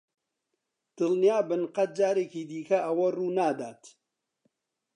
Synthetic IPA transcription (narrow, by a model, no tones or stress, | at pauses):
d̪̥ɨlnijaːbɨnqɐt̪̚d͡ʒaːɾeːkiːd̪iːkʰɐʔɐwɐruːnaːd̪aːt̪